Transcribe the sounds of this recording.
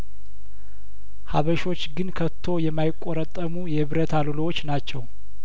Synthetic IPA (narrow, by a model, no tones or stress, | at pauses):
ha̰βəʃo̞t͡ʃːɡɨnkʰət̪ʰːo̞jɛmːajɪkʼːoɾət̪ʼːəmujɛɨβɾət̪ʰalulowot͡ʃːnat͡ʃːɛw